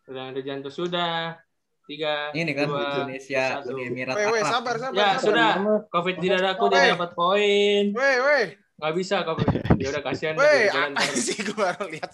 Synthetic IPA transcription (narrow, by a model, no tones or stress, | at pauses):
udaŋadad͡ʒant̪ʊsuda | t̪iɡanikaadonesiat̪uimiɾaewesabarsabjasudakofɪt̪̚didadakudiidapat̪̚poɪnwewe | ŋɡabisakofɪt̪diaudahkasianaed͡ʒalansikubaɾaliɦat̪̚